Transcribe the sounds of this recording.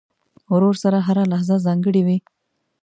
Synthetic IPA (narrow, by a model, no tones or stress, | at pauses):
wɾoɾsaɾaɦaɾalahzazɑŋɡəɽiwi